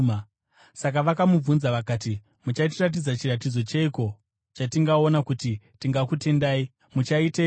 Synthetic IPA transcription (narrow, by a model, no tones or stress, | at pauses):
sak̬aʋakamub͡vunzaʋakaːt̬i | mut͡ʃat̬irat̬id͡zat͡ʃirat̬id͡zo̞t͡ʃeiko̞ | t͡ʃatiŋɡao̞nakuti | tiŋɡakute̞ndaːi | mut͡ʃaite